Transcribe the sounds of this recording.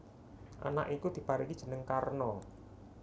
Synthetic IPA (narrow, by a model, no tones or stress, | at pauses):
ʔa̰na̰ʔikud̪̥i̤paɾikid̥ʒ̥ə̤nəŋkarnɔ